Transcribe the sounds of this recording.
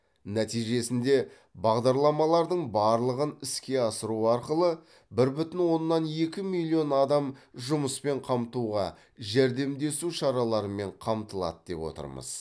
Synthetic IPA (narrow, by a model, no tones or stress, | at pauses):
næt̪ijʒe̞sɪnd̪e̞ | bɑʁd̪ɑɾlˠɑmɑlˠɑɾd̪əɴbɑɾlˠəʁənɪskʲe̞ɑsəɾuɑɾqəlˠə | bɪɾbʏt̪ɪnwo̞nːɑnje̞kʲɪmilʲˠːio̞nɑd̪ɑmʒʊməspe̞ɴqʰɑmt̪uʁɑ | ʒæɾd̪e̞md̪e̞suʃɑɾɑlˠɑɾəme̞ɴqʰɑmt̪əlˠɑ̰t̪d̪̥e̞̰pwo̞̰t̪ə̰ɾmə̰z̥